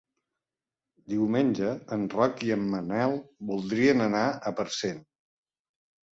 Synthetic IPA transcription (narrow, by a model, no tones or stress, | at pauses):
d̪iwmenʲd͡ʒəːnrɔkiəmːənɛlˠbulˠd̪ɾiənənaəpəɾsen